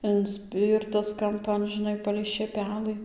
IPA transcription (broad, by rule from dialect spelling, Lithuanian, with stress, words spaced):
ɪnʲˈsʲpʲiːrtɐs kɐmˈpɐn ʒʲɪˈnɐɪ pɐlʲɛɪ ʃʲeːˈpʲæːlˠɨ